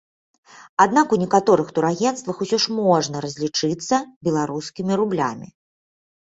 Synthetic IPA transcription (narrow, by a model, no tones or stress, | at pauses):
ad̪̚nakunʲɛkat̪ɔɾɨxt̪uɾaɣʲɛnst̪vɐxusʲɔʂmɔʐnɐɾɐzʲlʲit͡ʂɨt̪sːɐbʲɛlˠaɾuskʲimʲiɾublʲa̰mʲḭ